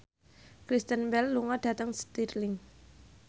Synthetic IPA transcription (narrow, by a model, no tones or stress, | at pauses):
kɾist̪ənbɛlːuŋɔɖ̥ä̤t̪əŋst̪irlɪŋ